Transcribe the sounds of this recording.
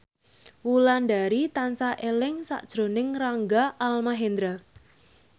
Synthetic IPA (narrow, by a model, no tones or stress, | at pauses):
wulanɖaɾit̪ansaʔelɪŋsa̰ʔd̥ʒ̥ɾo̤nɪŋraŋɡaʔalmaɦend̪ɾa